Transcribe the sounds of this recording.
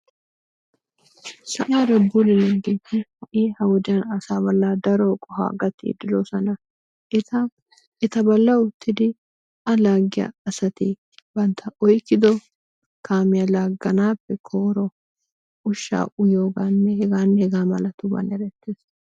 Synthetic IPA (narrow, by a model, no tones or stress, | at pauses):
sɐʔaːɾɛbulɪnɐɡiːt̪ːɪhɐʔiːhɐwɔd̪ɪjɐnɐsaːbɐlːaːd̪ɐɾokʼɔha̰ːɡɐt̪ːḭd̪ɪloːsɐnɐ | ɛt̪ɐbɐlːɐʊt̪ːɪd̪ɪ | ɐlaːɡɪja̰ːsɐt̪ɪ | bɐnt̪ʰɐʔɔjkːɪd̪ɔ | kʰaːmɪjalaːɡːɐnaːpːɛkʰoːɾɔ | ʊʃːa̰ːʔʊjoːɡaːnːɛhɛɡaːnːɛhɛɡaːmɐlɐt̪ʊbɐ̰nɛɾɛt̪ːeːs